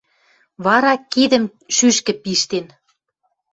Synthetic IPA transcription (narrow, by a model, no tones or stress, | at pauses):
βɑɾɑkid̪ə̆m | ʃyʃkə̆piʃt̪en